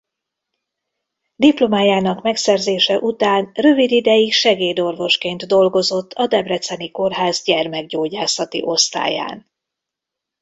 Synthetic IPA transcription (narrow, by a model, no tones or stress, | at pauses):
d̪iplo̞maːjaːnɒkmɛksɛrzeːʃɛʔut̪aːnrø̞vid̪id̪ɛjikʃɛɡeːd̪o̞rvo̞ʃkeːnt̪d̪o̞lɡo̞zo̞t̪ʰːɒd̪ɛbrɛt̪sɛniko̞rɦaːzɟɛrmɛɡɟoːɟaːsɒt̪ḭʔo̞st̪a̰ːja̰ːn